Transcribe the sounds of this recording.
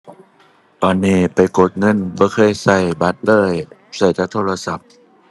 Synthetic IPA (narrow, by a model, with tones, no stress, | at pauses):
t̪ɔː˧˩nːiː˧˩pa˨jko˧˦t̪̚ŋɤ˧˥˨nbɔː˧˦kʰɤː˧˥˨jsa˧˩jba˧˦t̪̚lɤː˧˥˨j | sa˧˩jt̪ʰaː˧˥t̪ʰoː˧la˧sa˧˦p̚